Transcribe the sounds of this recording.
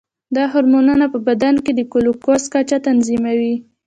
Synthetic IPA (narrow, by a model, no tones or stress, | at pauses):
d̪ɑɦʊɾmonənapəbad̪anked̪əkolokoskat͡ʃat̪anzimawi